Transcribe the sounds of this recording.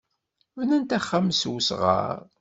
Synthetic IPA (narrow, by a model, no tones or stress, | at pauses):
vnænt̪æχːamswsʁə̰ɾˤ